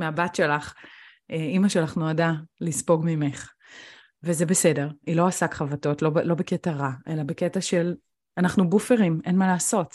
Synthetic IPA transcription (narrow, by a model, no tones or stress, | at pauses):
meabatʃe̞laχ | eimaʃealaχnuadalispo̞ɡmimeχ | veze̞bese̞de̞ʁilo̞asakχavato̞tlo̞blo̞beke̞taʁaʔe̞labeketaʃe̞l | anaχnubufe̞ʁime̞nmalaːso̞t